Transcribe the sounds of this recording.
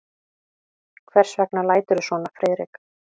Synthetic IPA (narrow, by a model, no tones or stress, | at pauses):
kʰvɛr̥svɛknalaːjt̪ʏɾʏsvɔːnafɾɛːðɾɪk